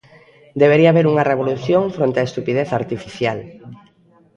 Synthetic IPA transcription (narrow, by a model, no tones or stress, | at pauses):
d̪eβeɾiaːβeɾuŋɐreβoluθjoŋfɾont̪eɐest̪upiðeθaɾt̪ifiθjal